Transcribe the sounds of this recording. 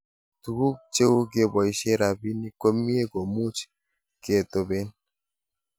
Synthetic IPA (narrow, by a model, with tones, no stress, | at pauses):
tu˨ɡu˦k̚t͡ʃe˦wu˦ke˦˨bɔ˨i˨˦ʃe˦ɾa˨bi˦ni˦ko˦mi˦e˦ɡo˨mu˦t͡ʃ | ke˨to˨be˦n